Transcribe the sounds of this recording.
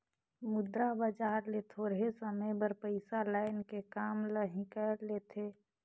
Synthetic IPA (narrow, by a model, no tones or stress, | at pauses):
mʊd̪ɾabəd͡ʒaːɾlet̪ʰoːɾɦesəməjbəɾpəɪsalaːɪnkekaːmləɦĩkəɾleːt̪ʰe